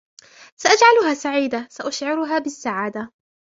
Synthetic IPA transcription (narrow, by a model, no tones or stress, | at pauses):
saʔad͡ʒʕalʊɦaːsaʕiːd̪asaʔaʃʕɪɾʊɦaːbɪsːaʕaːd̪a